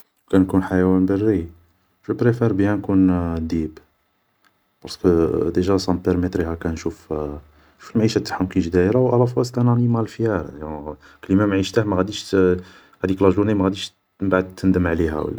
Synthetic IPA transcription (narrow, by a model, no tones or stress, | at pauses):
wkænkunħajæwænbərːi | ʒubɾefæɾbihænkund̪ib | bɑɾskəd̪eʒæsɑ̃p̪əɾmət̪ɾihækænʃuf | ʃu̥fəlmʕiʃæt̪ːḁħʊmkinʒd̪æɾawʔælæfɑst̪ænænimælfjæɾˤj | klimæmʕiʃt̪ahmæɣæd̪iʃ | ɣæd̪iklɑʒunimæɣæd̪iʃ | mbaʕd̪̚t̪ːənd̪əmʕliɦæ̰wə̰lːæ